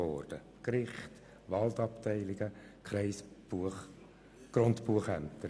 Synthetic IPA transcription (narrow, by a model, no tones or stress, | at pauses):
ɔːrd̥ə | kɾɪχt | ʋɑlt̪ɑptɛɪlɪɡ̥əkʰɾɛɪsbu | ɡ̥ɾontpuəχæmt̪əɾ